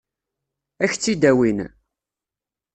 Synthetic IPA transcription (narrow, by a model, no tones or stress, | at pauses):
æçt͡sːid̪æwin